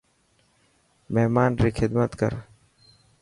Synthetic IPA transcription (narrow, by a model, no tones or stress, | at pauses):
meɦmaːnɾiːxʰɪd̪mət̪kə̰ɾ